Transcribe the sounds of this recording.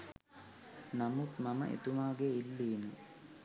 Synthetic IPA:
nɐmut̪mɐmɐ̰ʔḛt̪umaːɡeilːiːnu

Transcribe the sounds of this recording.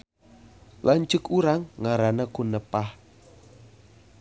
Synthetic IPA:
lʔant͡ʃʊkuɾaŋːaɾanəkunəpah

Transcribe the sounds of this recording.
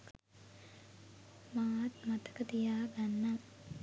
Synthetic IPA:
maːt̪mat̪ə̥kət̪ijaːɡanːa

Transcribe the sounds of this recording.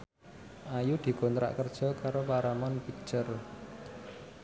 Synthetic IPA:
ʔajud̪̥i̤kont̪ɾa̰ʔkərd̥ʒ̥ɔ̤kaɾopaɾamɔnpik̚t͡ʃər

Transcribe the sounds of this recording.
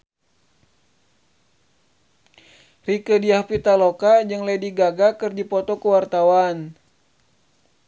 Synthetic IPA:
rikədiahpit̪alokad͡ʒɨŋlediɡaɡakɨrd͡ʒipɔt̪ɔkəwart̪awan

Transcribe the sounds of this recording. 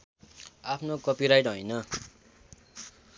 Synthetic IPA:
apʰnokʌpiɾajʈɦʌjnʌ

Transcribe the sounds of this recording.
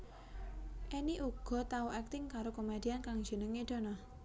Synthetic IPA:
ʔeniʔuɡ̥ɔ̤t̪auʔɛk̚t̪ɪŋkaɾokomed̥iankaŋ̥d͡ʒ̥ə̤nəŋed̥̪o̤nɔ

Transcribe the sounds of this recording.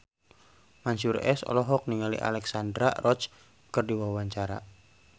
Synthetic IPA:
maɲsurɛ̰sɔ̰lɔɦɔk̚niŋalḭʔa̰lɛksandɾa̰rʔɔt͡ʃ | kərdiwawaɲt͡ʃaɾa̰

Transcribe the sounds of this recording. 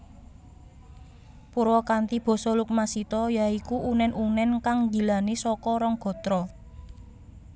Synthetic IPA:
puɾɔkant̪ib̥ɔ̤sɔluk̚masit̪ɔjaikuʔunɛnunɛnkaŋd͡ʒi̤lanesɔkɔɾɔŋɡ̥ɔ̤t̪ɾɔ

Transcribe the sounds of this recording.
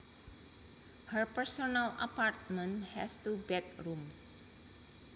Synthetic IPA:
həɹpəɹsonala̰paɹt̚mə̃nhɛstubɛt̪ɹums

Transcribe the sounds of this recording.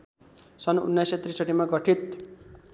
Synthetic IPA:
sʌnṵnːajset̪risʌʈimaɡʌʈʰit̪

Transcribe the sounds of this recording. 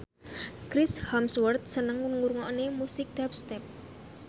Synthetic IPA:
kɾɪshamswərt̪̚sənəŋːʊnŋuɾŋɔnemusɪk̚d̥ap̚st̪ɛp̚

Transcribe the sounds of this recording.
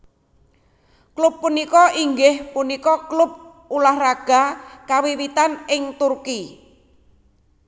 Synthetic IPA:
klʊpːunikɔʔiŋɡɪhpunikɔklʊp̚ | ulahraɡ̥a̤kawiwit̪anɪŋt̪urki

